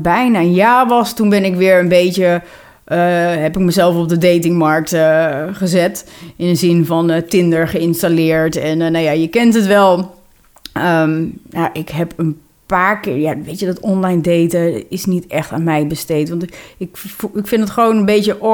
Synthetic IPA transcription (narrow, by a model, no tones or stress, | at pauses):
bɛjnaənjaːʋɑstunbɛnɪkʋɪːɹənbejtjə | ɦɛpɪk̚məzɛlˠfɔp̚dədejtɪŋmɑɹk̚təχəzɛtɪnəzɪnvɔntɪndəɹχəɪnstalɪːɹtɛnnːajajəkɛntɦətʋɛlˠ | əmjaʔɪkɦɛpən | paːɹkɪɹjaʋejtjədɔtɔnlajndejtaɪsnitɛχtaːnmɛjbəstejtʋɑntkɪkfɪndətχəʋownənbejtjəʔ